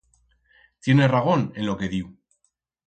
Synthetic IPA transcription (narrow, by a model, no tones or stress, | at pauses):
t̪jeneraɣ̞onelokeðiu